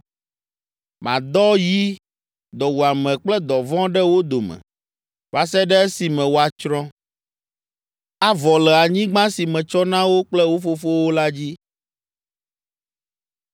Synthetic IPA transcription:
mã̰˨d̪ɔ˦ji˦ | d̪ɔ˨wu˨a˨mɛ̃˨k͡plɛ˦d̪ɔ˨vɔ̃˦ɖɛ˦wo˦d̪o˨mɛ̰̃˨ | va˦sɛ˦ɖɛ˦e˦si˨mɛ̃˨wo˦a˨t͡ʃɾɔ̃˦ | a˦vɔ˨lɛ˨a˨ɲĩ˦ɡ͡bã˦si˨mɛ̃˨t͡ʃɔ˦nã˦wo˦k͡plɛ˦wo˦fo˦fo˦wo˦la˦d͡ʑi˦

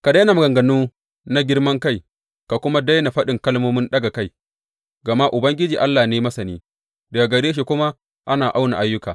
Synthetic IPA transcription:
ka˨da˦na˨m˨ɡɐ˨ŋɡɐ˨nuː˦ | na˦ɡʲɪ˦rmɐ˦ŋka˦˨j | ka˨kʷʊ˦ma˦da˦jna˨ɸɐ˦ɗɪ˨ŋkɐ˦lmoː˦mɪ˦nɗɐ˦ɡa˨ka˦˨j | ɡɐ˨ma˦ʔʊ˨bɐ˦ŋɡʲɪ˦d͡ʒiː˨ʔa˦lːaː˨neː˦mɐ˦sɐ˨niː˦ | dɐ˨ɡa˨ɡɐ˨ɽeː˦ʃ̬i˨kʷʊ˦ma˦ | ʔa˦naː˨ʔa˦wna̰˨ʔa˦jːʊ˦kaː˨

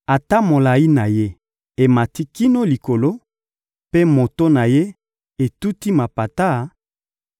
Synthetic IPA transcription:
a˨ta˦mo˨la˨i˦na˨je˦ | e˨ma˨ti˦ki˦no˦li˨ko˨lo˦ | pe˦mo˨to˦na˨je˦ | e˨tu˦ti˦ma˨pa˨ta˦˨

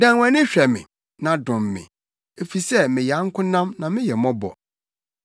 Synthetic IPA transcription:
dã˨ŋwã˨nɪ̃˦ɕᶣɛ˨mɪ̰̃˨ | nã˨dʊ̃˨mːɪ̰̃˨ | e˨fi˨sɛ˦mɪ̃˨jɛ˨a˦ŋ̩˦kʰʊ̃˦nã˦mnã˨mɪ̃˦jɛ˨mɔ̃˦bɔ̰˨

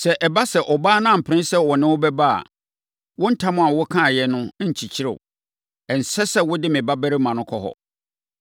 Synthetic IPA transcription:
sɛ˨ʔɛ˨ba˦sɛ˨ʔɔ˨baː˦nã˦˨m̩˨pʰɾɪ̃˦n˦sɛ˦wɔ˨nɪ̃˦wʊ˦bɛ˦ba˦a̰˨ | wʊ̃˦n̩˦tʰã˦mʊ̃˦a˨wʊ˦kʰã˦˨jɛ˨nʊ̃˦ɲ̩˨t͡ɕʰi˨t͡ɕʰɪ˦ɾɪ̰˨w | ɛ˨n̩˨sɛ˦sɛ˦wʊ˦dɪ˦mɪ̃˨ba˦bæ˦ɾi˦mã˨nʊ̃˦kʰɔ˦ɦɔ̰˨

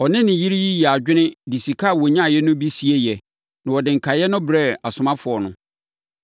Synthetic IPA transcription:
ɔ˨nɪ̃˦nɪ̃˨ji˦ɾi˦ji˦jɛ˨a˨d͡ʑᶣɪ˦nɪ̃˦di˨si˨kʰa˦˨wɔ˨˦ɲã˦˨jɛ˦nʊ̃˦bi˦si˨e˦jɛ˨ | nã˨wɔ˨dɪ̃˨ŋ̩˨kʰa˨jɛ˦nʊ̃˦bɾɛ˦a˨sʊ˨mã˦fʊ˨ɔ˨nʊ̃˦

